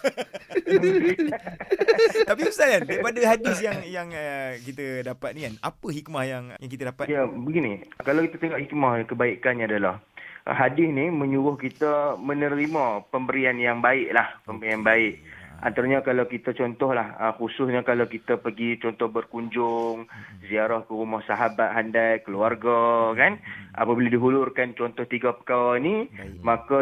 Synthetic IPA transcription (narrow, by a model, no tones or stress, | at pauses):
t̪ap̬ibəsalandaipadəɦadɪsjaŋjaŋəkit̪ədapat̪̚nikana̰pəɦik̚mahjaŋjaŋk̬it̪ədapat̪abəɡinikalawkit̪ət̪əŋaʔhik̚mahkəbaikanɲadalahɦadɪsnimə̃ɲuɾʊhkit̪əmə̃nəɾimãpəmbəɾianjaŋbaɪʔlahpəmbəɾianbaɪʔ̚a̰nt̪aɾaɲakalawkit̪at͡ʃɔnt̪ɔhlahə̰xusʊsɲakalawkit̪əpəɡit͡ʃɔnt̪ɔhbərkuɲd͡ʒʊŋziaɾahkəɾumɔhsaɦabat̪̚ɦandajkəluarɡakanʔa̰pəbiladiɦulʊrkant͡ʃɔnt̪ɔht̪iɡapə̥kawanimaka